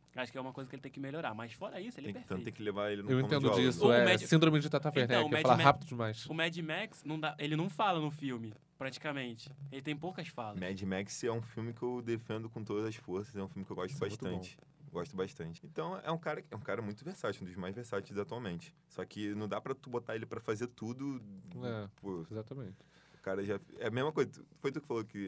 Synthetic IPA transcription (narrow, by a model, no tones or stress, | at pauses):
waʃʊ̥kɛũmɐkojzɐkɪelɪt̪ẽj̃kɪmeloɾamɐsfɔɾɐisʊelɪẽpeɾt̪ɐ̃et̪ẽkɪlevaelɪnew̃wẽõẽnd̪ʊisɛmɛsĩnd̪ɾõmɪd͡ʒɪt̪at̪afẽnɐ̃w̃mɛflamhapid̪ʊd͡ʒɪmajsʊmɛd͡ʒimɛksnɐ̃w̃d̪aelɪnɐ̃w̃falɐnʊfiwmɪ | pɾat͡ʃi̥kamẽnt͡ʃɪ̥elɪt̪ẽj̃powkɐsfalɐmɛd͡ʒimɛksɛũfiwmɪkɪewd̪efẽnd̪ʊkõt̪od̪ɐzɐsfoɾsɐzɛũfiwmɪkewɡɔʃt̪ʊbaʃt̪ɐ̃t͡ʃɪ̥ | ɡɔʃt̪ʊbaʃt̪ɐ̃nt͡ʃɪ̥ẽt̪ɐ̃w̃ɛ̰ũkaɾɐkɛũkaɾɐmũj̃t̪ʊveɾsat͡ʃɪũd̪ʊzmajzveɾsat͡ʃɪzat̪uawmẽnt͡ʃɪ̥sɔkɪnɐ̃w̃d̪apɾɐt̪ubot̪aelɪpɾɐfazeɾt̪ud̪ʊɛpuezat̪ɐmẽt͡ʃɪ | ʊkaɾɐʒaɛɐmeʒmɐkojzɐufojt̪ukɪ̥falokɪ